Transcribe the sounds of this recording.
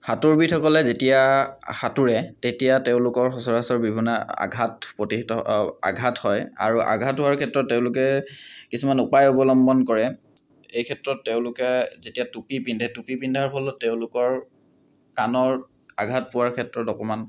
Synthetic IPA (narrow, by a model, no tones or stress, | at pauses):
hatuɹbitʰɔkɔlɛzetijaxatuɹɛtetijateʊ̃lʊkɔɹɦɔsɔɹasɔɹbibʱinaa̰ɡʱatpɹɔtitɔa̰ɡʱathɔja̰ɹuʔa̰ɡʱatɦʊwaɹkʰɛtɹɔtːeʊ̃lʊkɛkisumanupajɔbɔlɔmbɔnkɔɹɛ | ejkʰɛtɹɔtːeʊ̃lʊkɛzetijatupipindʱɛtupipindʱaɹpʰɔlɔteʊ̃lʊkɔɹ | kanɔɹ | a̰ɡʱat̚pʊwaɹkʰɛtɹɔtdɔkɔman